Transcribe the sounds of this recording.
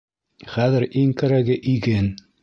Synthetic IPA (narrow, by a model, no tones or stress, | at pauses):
χæðɘ̆ɾʔiŋkæɾæɡɘʔiɡɘn